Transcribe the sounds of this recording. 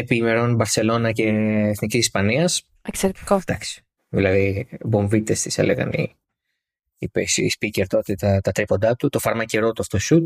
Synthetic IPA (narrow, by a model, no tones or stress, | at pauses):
epimeɾo̞nbɐɾse̞lo̞nɐce̞ːθnicisispɐniɐs | ekseɾet̪i̥kod̪ɐksi̥ | ðilɐðiboɱvit̪est̪isḛlḛɣɐ̰nḭ | ipesspiceɾt̪ot̪et̪ɐt̪ɐt̪ɾipo̞nd̪ɐt̪ut̪o̞fɐɾmɐceɾo̞t̪oɐft̪osut̪̚